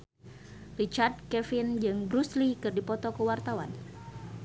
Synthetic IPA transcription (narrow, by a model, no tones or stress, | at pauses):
rit͡ʃard̚kɛfind͡ʒɨŋbɾuslikɨrdipɔt̪ɔkəwart̪awan